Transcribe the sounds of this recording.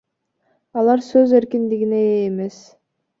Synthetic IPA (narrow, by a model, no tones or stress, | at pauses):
ɑlˠɑɾsøze̞ɾkind̪iɡine̞ːme̞s